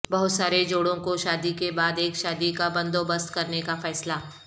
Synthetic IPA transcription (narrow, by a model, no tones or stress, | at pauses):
bɐɦʊt̪saːɾed͡ʒoːɽõkoʃaːd̪ikebaːd̪eːkʃaːd̪ikabɐ̃nd̪obəst̪kɐɾnekafɛːsla